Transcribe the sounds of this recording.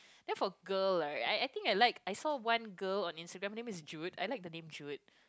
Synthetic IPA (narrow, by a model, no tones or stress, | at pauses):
d̥ɛ̃nfɔəɡəlaa̰jajt̪ĩŋkajlaɪkajsɔwãnɡəlɔ̃nĩnstəɡɹɛ̃maɪnẽmɪisd͡ʒuta̰ɪjlaɪk̚dənẽmd͡ʒut̚